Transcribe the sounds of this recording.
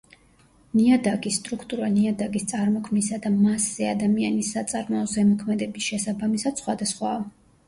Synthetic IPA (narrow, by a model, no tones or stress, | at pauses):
niad̪aɡʼisːt̪ʼɾukʰt̪ʼuɾaniad̪aɡʼist̪sʼaɾmɔkʰmisad̪amasːɛad̪amianisːat̪sʼaɾmɔɔzɛmɔkʰmɛd̪ɛbisʃɛsabamisad̪sχwad̪asχwa